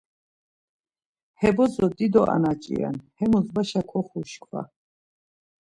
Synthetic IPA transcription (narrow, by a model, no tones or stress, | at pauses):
hɛbɔzɔd̪id̪ɔʔa̰nat͡ʃʼḭa̰nhɛmuzbaʃakʰɔχuʃkʰwa̰